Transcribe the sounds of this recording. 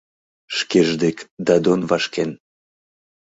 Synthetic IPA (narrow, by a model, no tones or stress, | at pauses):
ʃkeʒd̪ekd̪ɑd̪onvɑʃken